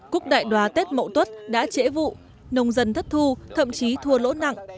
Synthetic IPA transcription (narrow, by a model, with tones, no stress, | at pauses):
ku˦˥ək̚ɗa̰ː˧˨jɗwaː˨˩˦t̪e˦˥t̚mə̰˧˨wt̪wə˦˥t̚ɗa̰ː˧˥t͡ɕḛ˧˥vṵ˧˨ | nə˧wŋ͡mzə˧˩nt̪ʰə˦˥t̚t̪ʰu˧t̪ʰə̰˧˨mt͡ɕi˨˦t̪ʰu˧əlo̰˧˥na̰˧˨ŋ